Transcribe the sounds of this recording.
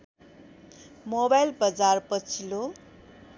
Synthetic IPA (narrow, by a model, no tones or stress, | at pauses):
mobajlbʌd͡zarpʌt͡sʰilo